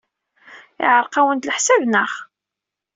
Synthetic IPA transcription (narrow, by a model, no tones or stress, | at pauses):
ɪ̰ʕəɾˤqawənt̪ləħsævnəχ